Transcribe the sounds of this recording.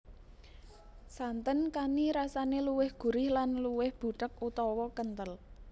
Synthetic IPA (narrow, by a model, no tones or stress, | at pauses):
sant̪ənkaniɾasaneluwɪhɡ̥ṳɾɪhlanluwɪhb̥ṳʈək̚ut̪ɔwɔkənt̪əl